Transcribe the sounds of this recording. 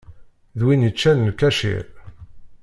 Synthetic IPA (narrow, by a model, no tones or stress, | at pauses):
ðwinət͡ʃːælnkæʃḭɾ